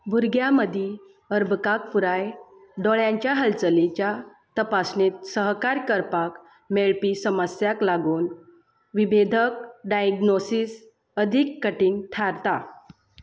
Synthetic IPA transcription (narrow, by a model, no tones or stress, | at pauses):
bʱuɾɡjaməd̪ʱi | əɾbʱəkak̚puɾaj | ɖɔɭjãɲt͡ɕjaɦəlt͡səlit͡ɕja | t̪əpasnet̪səɦkaɾkəɾpak | meɭpisəməsjaklaɡuːn | ʋibed̪ʱəkɖajɡnosis | əd̪ʱikːəʈiːnʈʰaɾt̪a